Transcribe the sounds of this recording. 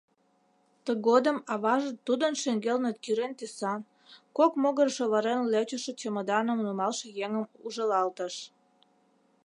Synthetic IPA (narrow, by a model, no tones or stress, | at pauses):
t̪əɣod̪əmɑβɑʒət̪ːud̪ənʃeŋɡelnət̪̚kyɾent̪esɑn | kokmoɣərʃoβəɾenlet͡ɕəʃə̆t͡ɕəməd̪ɑnəmnumɑlʃĕjeŋəmuʒəlɑlt̪əʃ